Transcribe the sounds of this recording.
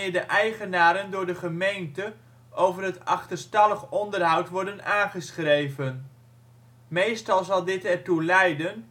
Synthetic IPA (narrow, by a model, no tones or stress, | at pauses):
ɪːɹdəʔɛjχənaːɾəndʊːɹdəχəmejntə | ʔowvərɦətɑχtərstɑləχɔndərɦɑwtʋɔɹdənaːnχəsχrejvən | mejstɑlˠzɑlˠdɪtɛɹtulɛjdən